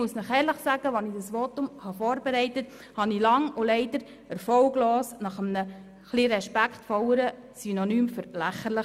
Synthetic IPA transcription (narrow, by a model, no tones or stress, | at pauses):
muəsnəχɛːɾləχsæɡəʋɑnid̥ɑsʋɔtʊmhɑfɔːɾbɛɾɛɪtət | hɑnilɑŋulɛɪdəɾ | əɾfɔwɡlɔːsnɑχəmnə | χliɾɛʃpæktfɔwəɾə | synɔnyːmfʏɾlæχəɾləχ